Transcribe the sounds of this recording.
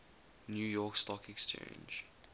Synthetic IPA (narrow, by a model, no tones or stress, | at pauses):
njuːjɔːˑkstɔkɛkst͡ʃḛ̃ɪnd͡ʒ